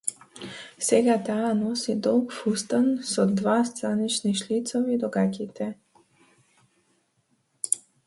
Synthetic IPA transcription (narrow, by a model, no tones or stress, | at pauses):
sɛɡat̪aːnɔsid̪ɔlˠkfust̪ansɔd̪vast̪ɾanit͡ʃniʃlit̪sɔvid̪ɔɡakʲit̪ʰɛ